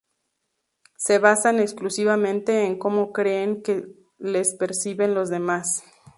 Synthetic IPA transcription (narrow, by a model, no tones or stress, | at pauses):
se̞βasane̞ksklusiβamẽ̞nt̪e̞ːŋko̞mo̞kɾe̞ːŋke̞ | le̞spe̞ɾsiβe̞nlo̞zðe̞mas